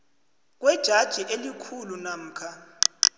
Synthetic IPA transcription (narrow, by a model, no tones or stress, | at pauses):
k̬wɛd̥ʒ̥ʱad̥ʒ̥ʱiʔelikʰulunam̩ːkʰa